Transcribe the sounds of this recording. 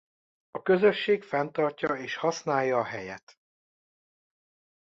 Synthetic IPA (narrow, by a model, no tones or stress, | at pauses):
ɒkø̞zø̞ʃːeːkfɛnt̪ɒrcɒeːʃhɒsnaːjːɒːɦɛjɛ̰t̪